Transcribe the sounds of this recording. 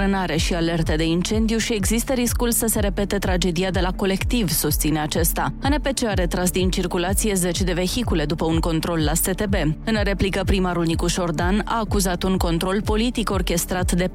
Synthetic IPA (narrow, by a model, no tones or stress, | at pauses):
ɨnaɾe̞ʃiale̞rt̪ed̪e̞int͡ʃe̞nd̪ijuʃie̞ɡzist̪əɾiskulsəse̞ɾe̞pe̞t̪e̞t̪ɾad͡ʒe̞d̪iad̪e̞lako̞le̞kt̪ivsust̪sine̞at͡ʃe̞st̪aane̞pe̞t͡ʃeaɾe̞t̪ɾas̬d̪int͡ʃirkulat̪sije̞ze̞t͡ʃd̪e̞ve̞çikule̞d̪upəuŋko̞nt̪ɾo̞lːaset̪e̞be̞ɨnre̞plikəpɾimaɾulnikuʃo̞rd̪ana̰ːkuzat̪uŋko̞nt̪ɾo̞lpo̞lit̪iko̞rkʲe̞st̪ɾat̪d̪e̞